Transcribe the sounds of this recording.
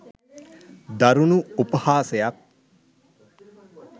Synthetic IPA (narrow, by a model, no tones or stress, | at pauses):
d̪aɾunuupəhaːsejak̚